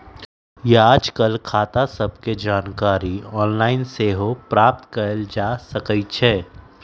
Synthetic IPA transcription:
jeaːd͡ʒkəlkʰaːt̪asɐb̚ked͡ʒaːnkaːɾiɔːnlaːɪnseːɦopɾaːp̚t̪kɐɾəld͡ʒaːsɐkəit͡ʃʰɛː

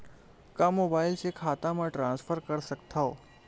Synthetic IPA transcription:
kamoːbaːɪlsekʰaːt̪ãmãʈɾãːnsfʰəɾkəɾsɐkt̪ʰaoː

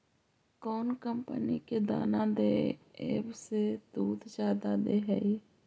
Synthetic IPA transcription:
kɔːnkəmpəniːkeːd̪a̰ːnãːd̪eːḛːbsed̪uːd̪d͡ʒjaːd̪aːd̪eːɦɛ̰iː

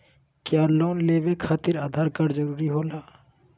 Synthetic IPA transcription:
kjaːloːnleːbekʰaːt̪ɪɾaːd̪ʱaːɾkəɾd͡ʒəɾuːɾiɦoːlaː

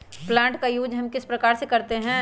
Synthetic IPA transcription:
plãːɳʈkajuːd͡ʒɦɐmkɪspɾɐkaːɾsekɐɾt̪eɦɛ̃

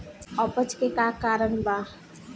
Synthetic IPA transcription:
ʌpʌt͡skekakaɾʌnba

